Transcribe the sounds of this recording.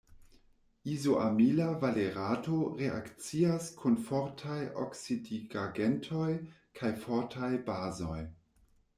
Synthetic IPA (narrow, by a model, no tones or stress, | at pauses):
izoʔa̰milavaleɾatoɾea̰kt͡siaskʰunfɔɾtʰajo̰ksidiɡaɡentʰoj | kʰajfɔɾtʰajbazo̰j